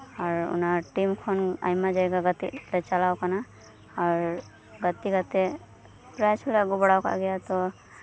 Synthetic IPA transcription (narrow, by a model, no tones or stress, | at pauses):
aɾṵnaʈimkʰona̰jmad͡ʒajɡaɡət̪ːḭɾet͡ʃalaːwkana | aɾ | ɡət̪ːiɡət̪ːe | pɾat͡ʃʰulaɡʊbɽawka̰ɡjat̪o